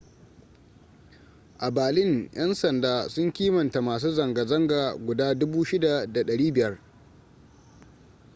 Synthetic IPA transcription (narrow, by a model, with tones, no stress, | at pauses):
ʔa˨baː˨lɪ˦ŋj̰ɐ˦nsɐ˨ndaː˦sʊ˦ŋkʲiː˦mɐ˨nta˨maː˨s̬uː˦zɐ˨ŋɡa˨zɐ˦ŋɡaː˨ɡʷʊ˨daː˦dʊ˦buː˦ʃɪ˦da˨da˨ɗɐ˨ɽiː˦bɪ˨jɐ˦r